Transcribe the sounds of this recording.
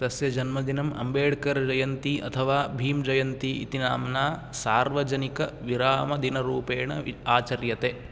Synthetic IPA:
d̪ɐsjɐd͡ʒɐnmɐd̪inɐmɐ̰mbeːɽkɐɾd͡ʒɐjɐnt̪iʔɐ̰t̪ʰɐʋaːbʱiːmd͡ʒɐjɐnt̪iḭt̪inaːmnaːsaːɾʋɐd͡ʒɐnikɐʋiɾaːmɐd̪inɐɾuːpeːɳɐaːt͡ʃɐɾjɐt̪eː

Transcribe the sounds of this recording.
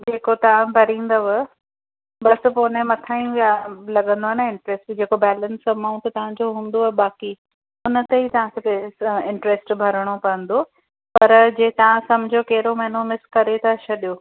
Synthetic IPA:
d͡ʑeːkot̪ɐʋ̤ãbʱɐɾĩːn̆d̪ɐʋə | bɐs̆poːnẽmɐt̪ʰaːĩjalɐɠə̃nd̪oanɐɪ̃ɳʈɾesʈd͡ʑeːkobɛːlənsɐmaːʊ̃ɳʈt̪t̪ɐʋ̤ãɲd͡ʑoɦũːn̆d̪oaɓaːki | ʊnə̆t̪eit̪ɐʋ̤ãkʰeteɪ̃ɳʈɾesʈbʱɐɾəɽ̃opɐə̃n̆d̪o | pɐɾd͡ʑeːt̪ɐʋãsɐmd͡ʑʱokɐɦɪɾomɐɦɪnomɪskɐɾet̪ɐt͡ɕʰɐɗijo

